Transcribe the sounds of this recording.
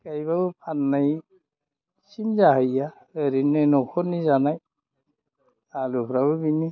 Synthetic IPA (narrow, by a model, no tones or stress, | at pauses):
kajbabɯpʰanːaj | simzaɦaja | eɾinːɔnɔkʰɔnizanaj | alupʰɾabɯbini